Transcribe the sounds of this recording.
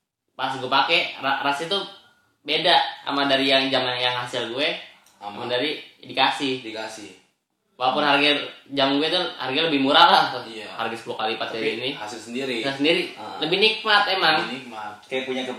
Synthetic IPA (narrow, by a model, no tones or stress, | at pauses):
pas̬ɡuɛpakɛrarasit̪u | bedaa̰madaɾijaŋd͡ʒamanjaŋɦasɪlɡuɛ | mamadaɾidikasihdikasi | walapʊnɦarɡɛrd͡ʒamanɡuɛt̪uha̰rɡaləbɪhmuɾalaht̪ujaharɡasəpulukalipat̪ainihasɪlsəndiɾiasəndiɾiləbɪhnik̚mat̪emaŋnik̚mat̪̚kajapuɲakə